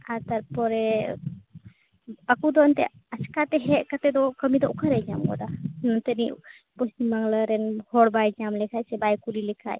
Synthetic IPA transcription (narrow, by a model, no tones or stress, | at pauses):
aɾt̪aɾpɔɾɛ | akud̪ɔnt̪ɛ̰ | askat̪ɛɦɛʔkat̪ɛd̪ɔkəmid̪ɔʔukʰaɾɛɲamɡɔ̰d̪anɔnt̪eni | pɔstimːaŋləɾɛnhɔɽbajɲamlɛkʰajsɛbajkuɾilɛkʰa̰j